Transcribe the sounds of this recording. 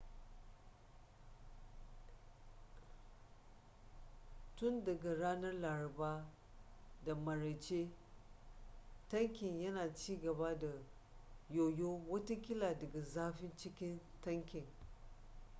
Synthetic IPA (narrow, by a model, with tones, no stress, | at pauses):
tʊ˦ndɐ˨ɡa˨ɽaː˦nɐ˦rlaː˨ɾɐ˨baː˦ | da˨mɐ˨ɽɐ˨t͡ʃeː˦ | tɐ˦ŋkʲɪ˨ɲjɐ˦naː˨t͡ʃiː˦ɡɐ˨baː˦da˨ | joː˨joː˦wɐ˦ta˦kʲɪ˦laː˨dɐ˨ɡa˨zaː˦ɸɪ˦nt͡ʃɪ˦kʲɪ˦n | tɐ˦ŋkʲɪ˨ŋ